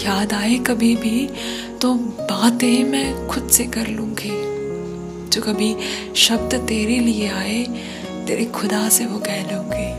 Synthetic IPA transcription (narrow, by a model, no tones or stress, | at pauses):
jaːd̪aːekɐbʱibʱi | t̪obaːt̪ẽmɛ̃ːxʊd̪sekɐɾlũːɡeː | d͡ʒoːkɐbʱi | ʃɐbt̪t̪eːɾelieaːe | t̪ḛːɾekʰʊd̪aːseʋokɛɦlũːŋɡeː